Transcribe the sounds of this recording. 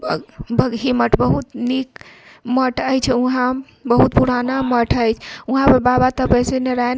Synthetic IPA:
bbəɡɦiməʈbəɦut̪nik | məʈəjt͡ʃʰɛuɦã | bəɦut̪̚puɾanaməʈʰəjt͡ʃʰuɦãpəbabat̪əpəjseneɾajn

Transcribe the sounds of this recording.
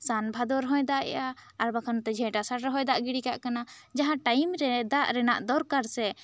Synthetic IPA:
sanbʱad̪ɔɾɦɔ̃jd̪aʔɛ̰ʔaaɾbakʰant̪ɛd͡ʒʱɛ̃ʈasaʈaɦɔjd̪aʔɡiɽikaʔkana | d͡ʒaɦãʈajmɾɛd̪aʔɾɛnaʔd̪ɔɾkaɾsɛ

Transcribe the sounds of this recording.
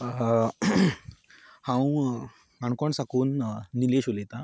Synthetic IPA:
hãw | aɳkɔɳsakuːnːileɕolet̪a

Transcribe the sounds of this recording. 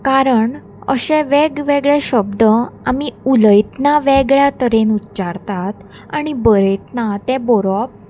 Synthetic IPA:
kaɾəɳ | ə̰ɕɛ̃ʋɛɡʋɛɡɭɛɕəbd̪əamiuləjt̪naʋɛɡɭjat̪əɾenutːt͡ɕaɾt̪at̪ | a̰ɽ̃ibəɾəjt̪nat̪ɛ̃bɔɾɔp̚

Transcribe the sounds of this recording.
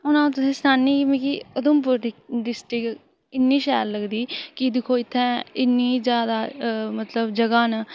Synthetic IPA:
ʊnãːt̪ʊsẽːsnaːnːiːkimẽːkiəd̪ʊmp̬ʊɾɪɖɪsʈɾɪk | ɪnːiːʃɛːlləɡd̪iːkɪd̪ɪkʰːoːɪt̪ʰːɛ̃ːɪnːiːzjaːd̪aːmət̪ləbd͡ʒəɡaːnə

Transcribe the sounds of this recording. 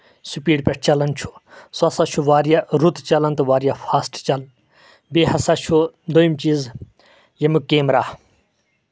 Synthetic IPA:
supiːɖpʲeʈ̚ʰt͡ʃɐlɐnt͡ʃʰu̥suɐsat͡ʃʰuʋaːɾjaɾut̪t͡ʃɐlɐnt̪ʋaːɾjafʰaːsʈt͡ʃɐl | beɦɐsat͡ʃʰud̪ojimt͡ʃiːz | jemukeːmɾaː

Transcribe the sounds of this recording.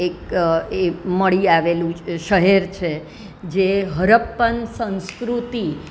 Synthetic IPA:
ek̚eməɭiaʋelũʃəɦeɾt͡ʃʰe | d͡ʒeɦəɾəpːənsə̃nskɾut̪i

